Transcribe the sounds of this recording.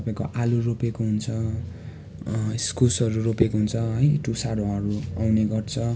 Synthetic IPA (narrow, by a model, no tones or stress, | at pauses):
ʌpaĩkoʔaluropekoɦunt͡sʰʌ | skusʌɾuropekoɦunt͡sʰʌɦʌjʈusaɾõʌɾuawneɡʌrt͡sʰʌ